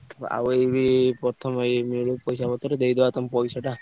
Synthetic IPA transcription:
a̰ebipɔt̪ʰɔmejmeɽupɔjsabɔt̪ɔɾed̪ejd̪ebat̪ɔmpɔjsaʈa

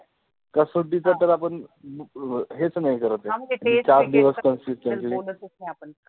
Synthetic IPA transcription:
kəsoʈit͡sat̪əɾapəɳ | ɦet͡snaɦikəɾət̪ẽit͡ɕaɾd̪iʋəskənsist̪jãɲkii

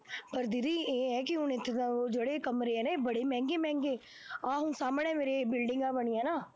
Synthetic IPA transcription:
pəɾd̪ɪɾiːeːɦɛkɪʊnet̪oːd͡ʒəɽekəmɾeɦɛnabəɽemɛ̃ːŋɡeːmɛ̃ːŋɡeː | ãːɦũːsaːmnɛ̃meːɾebɪlɖɪ̃ŋɡaːbəɽ̃iːɛːnaː

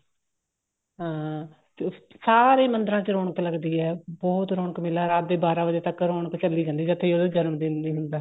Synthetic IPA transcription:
ɦãː | saːɾeːmənd̪əɾãːt͡ʃəɾoːɳəkləɡd̪iːɛːbɔːt̪ɾoːɳəkmɪlaːɾaːt̪̚d̪eːbaːɾãːʋəd͡ʒeːt̪əkːɾoːɳəkt͡ʃəlːiːd͡ʒãːnd̪iːd͡ʒət̪ʰːeːoːd̪ed͡ʒənmd̪ɪnd̪iːɦʊnd̪aː

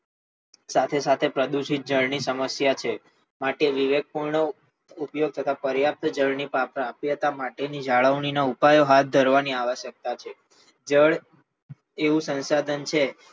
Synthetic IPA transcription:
sat̪ʰesat̪ʰepɾəd̪uʃit̪̚d͡ʒəɭnisəməsjat͡ʃʰe | maʈeʋiʋeɡ̚puɾɳo | upjoɡ̚t̪ʰət̪ʰapəɾjap̚t̪d͡ʒəɭnipapɾapjət̪amaʈenid͡ʒaɭəʋɳinaupajoɦat̪̚ʰd̪ʱəɾʋaniaʋəʃjək̚t̪at͡ʃʰe | d͡ʒəɭ | eʋũsə̃nsad̪ʱənt͡ʃʰe

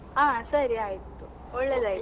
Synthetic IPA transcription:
aːsɐɾiaːjt̪ːu | oɭːed̪aːji

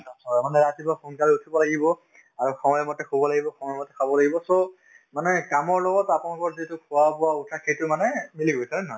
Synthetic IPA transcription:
sɔmanɛɹatibapʰonkaɹiutʰibɔlaɡibɔ | aɹukʰãjɛmɔtɛkʰobɔlaɡibɔkʰaw̃ɛmɔtɛkʰabɔlaɡibɔso | manɛkamɔɹlɔɡɔtapunalkɔɹzitʊkʰʊwapʊwautʰaxejtʊmanɛmiliɡojsɛɛnɔɦɔj

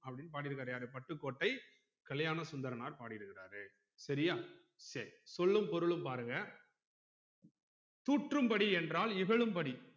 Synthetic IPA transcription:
ɐpːɐɽɪnːp̬aːʈɪɾɯkːɾaːɾjaːɾɯpɐʈːɯkːoːʈːɐɪ | kɐɭɐjaːnɐsʊnd̪ɐɾɐnaːɾpaːɽɪɪɾɯkːɪraːɾɯ | sɐɾɪjaː | sɐɾisɔlːɯmpɔɾɯɭɯmpaːɾɯŋɡɐ | t̪uːʈrɯmpɐɽiɛndraːlɪɣɐɭɯmpɐɽi

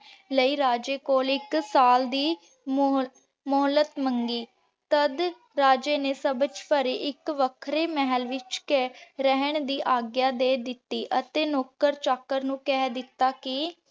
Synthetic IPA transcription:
ləiːɾaːd͡ʒeːkoːlɪksaːld̪iː | m | mʊːlət̪məŋɡiː | t̪əd̪ | ɾaːd͡ʒeːneːsəbət͡ʃpəɾeːʔɪkʋəkʰɾeːmɛɦəlʋɪt͡ʃkeɾəɦəɳd̪iːʔaːɡjaːd̪eːd̪ɪt̪ːiːʔət̪eːnoːkːəɾt͡ʃaːkəɾnũːkɛːd̪ɪt̪ːaːkɪ

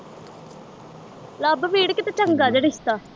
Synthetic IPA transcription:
laːbʋiːɽkɪt̪at͡ʃəŋɡaːd͡ʒeɽɪst̪aː

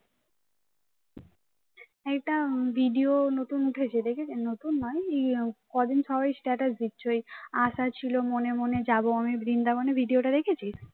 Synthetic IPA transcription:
ɛk̚ʈabʱiɖionot̪unuʈʰet͡ɕʰed̪ekʰet͡ɕʰenot̪unːɔeekɔd̪inʃʰɔbajsʈɛʈasd̪itːɕʰojaʃat͡ɕʰilomonemoned͡ʑaboamibɾind̪amonebʱiɖioʈad̪ekʰet͡ɕʰi

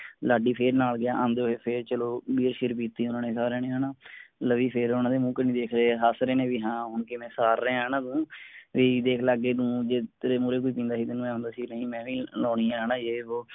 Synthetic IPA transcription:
laːɖiːpʰeːɾnaːlɡɪjaːʔaːnd̪eoɦeːpʰeɾt͡ʃəloːbiːɾʃɪɾpiːt̪ːiːʊnãːneːsaːɾeːneːɦaːnaːləʋiːpʰɪɾʊnãːd̪eːmũːknĩːd̪eːkʰɾeːɦaːsɾeːnẽːʋiːɦãːɦʊnkemɛ̃ːsaːɾːɛ̃ːaːnãːd̪ũːʋiːd̪eːkʰlaːɡːeːnũːd͡ʒeɾeːmuːɾeːkʊiːpĩːnd̪aːɦiːd̪ɪnːũːɛ̃ːɦʊ̃nd̪aːsiːnəĩːmɛ̃ːʋĩːloːniːaːnãːd͡ʒeːoː

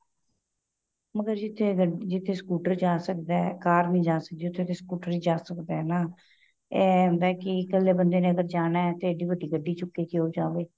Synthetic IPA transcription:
məɡəɾd͡ʒɪt̪ʰːeːɡəd͡ʒɪt̪ʰːeːskuːʈəɾd͡ʒaːsəkd̪aɛkaːɾnĩːd͡ʒaːsək̚d̪eːʊt̪ʰːet̪ʰeːskuːʈəɾid͡ʒaːsəkd̪aɦɛnaː | ɛːɦʊ̃nd̪aːkɪkəlːeːbənd̪eːneːəɡəɾd͡ʒaːnaːɛːt̪eəɖiːbəɖiːɡəɖːiːt͡ʃʊkːeːkiɦoːd͡ʒaːʋeː

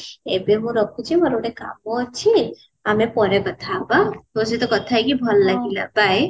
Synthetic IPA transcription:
ebeɦũɾɔkʰut͡ʃʰimɔɾoɽeka̰mɔt͡ʃʰi | amepɔɾekɔt̪ʰaːbaɦoset̪ɔkɔt̪ʰajkibʱɔlːaɡila̰bʱaj

